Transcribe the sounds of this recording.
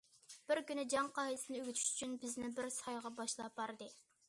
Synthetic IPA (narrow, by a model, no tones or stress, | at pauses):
b̥ɪɾkʲynɪd͡ʒɑŋqʰɑːhilˠɪsɪnɪøɡʲyt̪ʰy̥ʃyt͡ʃʰynbɪznɪbɪɾsɑjʁɑbɑʃlˠɑb̥ɑɾɨd̪ɨ